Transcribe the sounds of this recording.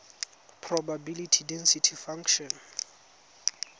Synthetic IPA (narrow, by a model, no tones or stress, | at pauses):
pʰrɔbabilitʰidɛnsitʰifãŋkʃɔn